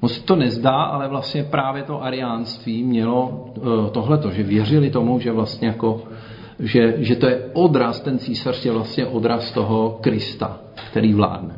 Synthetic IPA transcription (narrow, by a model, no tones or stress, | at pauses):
mot͡ssɛ̥t̪o̞nɛzdaːʔa̰lɛvlast̪ɲɛpɾaːvjɛt̪o̞ʔaɾɪjaːnst̪viːmɲɛlo̞t̪o̞ɦlɛt̪oʒɛvjɛr̝ɪlɪt̪o̞muʒɛvlast̪ɲɛjako̞ | ʒɛʒɛt̪ojɛʔodɾast̪ɛnt͡siːsar̥jɛvlast̪ɲɛʔod̪ɾast̪oɦo̞kɾɪst̪a̰ | kt̪ɛɾiːvla̰ːdnɛ